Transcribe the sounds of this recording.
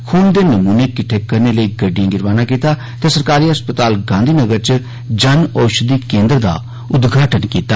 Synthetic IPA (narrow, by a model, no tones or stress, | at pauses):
kʰuːnd̪eːnəmuːnekɪʈʰːeːkːəɾneːləiːɡəɖːijãːɡɪɾʋaːnãːkiːt̪aː | t̪esəɾkaːɾiːɦəspət̪aːlɡãːnd̪ʱiːnəɡəɾt͡ʃə | d͡ʒənɔːʃəd̪iːkẽːnd̪əɾd̪a̰ː | ʊd̪ɡʱaːʈənkiːt̪aː